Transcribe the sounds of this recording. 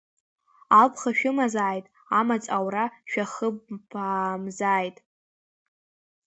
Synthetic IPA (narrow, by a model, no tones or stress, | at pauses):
apʰχaʃᶣʊmazaːjtʼ | amat͡sʼawraʃᶣaχəbamzaːjtʼ